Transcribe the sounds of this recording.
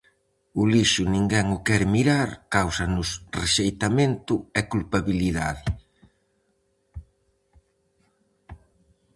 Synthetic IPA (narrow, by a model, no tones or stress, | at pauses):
ʊliʃʊnĩŋɡɛŋʊkɛɾmiɾaɾkawsanʊsreʃejt̪ament̪ʊɛkulpaβiliða̰ðɪ